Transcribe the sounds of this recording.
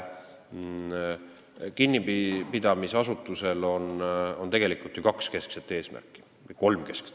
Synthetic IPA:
kinʲːipipid̪̥ɑmisɑsut̪ːˑuse̞lo̞nont̪e̞ɡ̥e̞likult̪ːjukɑkske̞skset̪ːˑe̞ːsmæ̰rkːˑi̥ | vɤjko̞lmke̞skst̪

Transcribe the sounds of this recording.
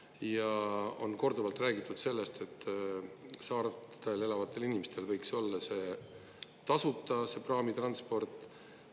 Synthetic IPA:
jɑo̞̰nko̞rd̪uvɑlt̪ˑræːɡit̪ːˑud̪̥se̞lːe̞st̪e̞t̪ː | sɑːɾt̪e̞le̞lɑvɑt̪ːˑe̞linimest̪e̞lvɤjkso̞lːɑse̞ː | t̪ɑsut̪ˑːɑse̞prɑːmit̪rɑnspo̞rt̪ːˑ

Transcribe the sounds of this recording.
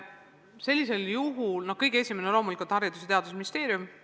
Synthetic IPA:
se̞lʲːise̞ljuɦulno̥kɤjɡ̥ee̞sʲimenelo̞ːmulikult̪hɑɾid̪uset̪e̞ɑd̪usminist̪e̞ːɾjum

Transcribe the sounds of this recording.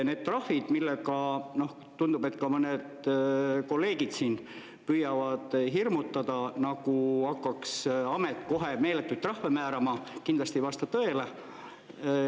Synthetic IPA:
ne̞ːd̪̥̚t̪rɑhvid̪̥milːeɡɑno̞h | t̪und̪ube̞t̪ːˑkɑmɤned̪ | ko̞lːe̞ːɡid̪siːn | pyjɑvɑd̪̥ɦirmut̪ːɑd̪̥ɑnɑɡuɑkːɑksɑmet̪ːˑko̞ɦeme̞ːlet̪ːˑujt̪ːrɑhvemæːɾɑmɑkind̪lɑsʲt̪ivɑst̪ɑt̪ɤele

